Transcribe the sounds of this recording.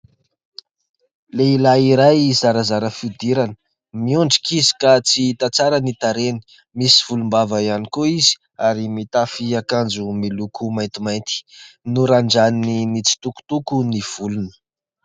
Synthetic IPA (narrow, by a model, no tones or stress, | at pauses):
leilaiɾajzaɾazaɾəfud̪iɾanə̥ | miuɳɖ͡ʐi̥kizi̥kat͡sit̪at͡saɾanit̪aɾeni̥ | misi̥v̥ulumbavaianikoiz̥i̥ | aɾimit̪afiakand͡zumilukumajnt̪imajnt̪i̥nuɾaɳɖ͡ʐanninit͡si̥t̪uku̥t̪ukuniv̥ulunə̥